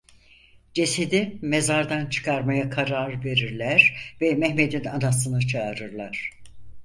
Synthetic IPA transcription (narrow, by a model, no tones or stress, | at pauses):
d͡ʒe̞sed̪imezaɾd̪ant͡ʃʰɯ̥kʰaɾmajakʰaɾaɾve̞ɾiɾlʲæɾvɛmɛhme̞d̪inanas̬ɯnɯt͡ʃʰaːɾɯɾlˠaɾ̥